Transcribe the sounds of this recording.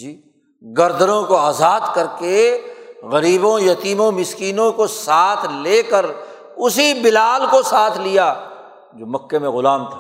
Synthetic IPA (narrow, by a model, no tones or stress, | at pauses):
d͡ʒiː | ɡɐɾd̪əɾõkoaːzaːd̪kɐɾke | ɣɐɾiːbõjɐt̪iːmõmɪskiːnõkosaːt̪ʰleːkəɾ | ʊsibɪlaːlkosaːt̪ʰlijaː | d͡ʒoːmɐkːemẽɣʊlaːmt̪ʰḁ